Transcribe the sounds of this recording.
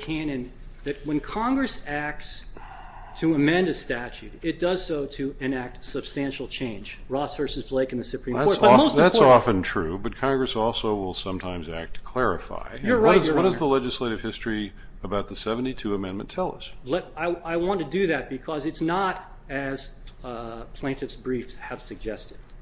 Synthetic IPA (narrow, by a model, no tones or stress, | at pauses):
kʰæ̃nɨ̃n | ðɨt̚wə̃nkʰɑ̃ŋɡɹɨsæk̚ts | tʰɨəmɛ̃ndɨstæt͡ʃʉɾɪt̚d̥ʌz̥soʊɾɨɨ̃næk̚tsɨb̥stæ̃nʃl̩ˠt͡ʃʰẽɪ̃nd͡ʒ | ɹɔsfə˞sɨzbleɪkn̩ðɨsɨpʰɹ̥ĩðækɔɹt̚bʌmoʊsðætsɔfɨ̃ntʰɹ̥ʉbʌt̚kʰɑ̃ŋɡɹɨsɔlˠsoʊwɪlˠsʌ̃mtʰãɪ̃mzæ̰k̚tʰkʰl̥ɛɹɨ̰fa̰ɪjə˞ʌzwʌɾʌzðəlɛd͡ʒɨsleɪɾɨv̥hɪstɹ̥i | əbaʊt̪̚ðɨsɛvn̩titʰʉəmɛ̃nmɨ̃ntʰɛlˠə̰slɛaɪaɪwɑ̃ntʰɨdɨðɨt̚b̥ɨkʰʌzɨtsnəɾ | ɨz̥ | pʰl̥ẽɪ̃ntɨfsbɹifsɨv̥sɨɡ̚d͡ʒɛstɨd̥̚